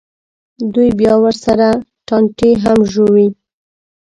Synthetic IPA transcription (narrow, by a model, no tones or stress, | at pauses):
d̪ujbjɑwəɾsaɾa | ʈɑɳʈeɦamʒowi